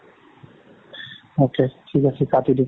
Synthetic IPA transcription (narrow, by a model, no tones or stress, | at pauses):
okeʈʰikat͡ɕʰekat̪id̪i